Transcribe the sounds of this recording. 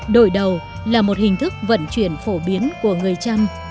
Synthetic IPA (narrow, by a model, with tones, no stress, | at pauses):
ɗo̰˧˨jɗə˨˩w | laː˨˩mo˨˩t̚hï˨˩ŋ̟t̪ʰɨ˦˥k̚və̰˧˨nt͡ɕwḭ˧˩ənfo˧˩ɓi˨˦ənku˧˩əŋɨ˨˩əjt͡ɕa˧m